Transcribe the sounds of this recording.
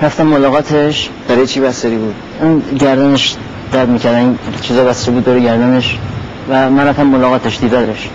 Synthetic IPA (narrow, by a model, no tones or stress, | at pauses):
ɾæft̪æmːolɒːɣɒːt̪ʰeʃ | b̥æɾɒːjet͡ʃʰibæseɾiːbuːd̪̥ | inɟæɾd̪æneʃ | d̪̥æɾd̪miːcʰæɾd̪ænint͡ʃʰiːzɒːbæst̪ebuːd̪ːoːɾeɟæɾd̪æneʃ | væmænɾæft̪æmːolɒːɣɒːt̪ʰeʃd̪iːd̪æɾeʃ